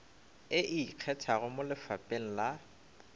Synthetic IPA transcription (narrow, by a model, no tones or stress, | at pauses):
ɪʔiq͡χʰɛtʰaɣʊmʊlɪfapʼeŋ̩la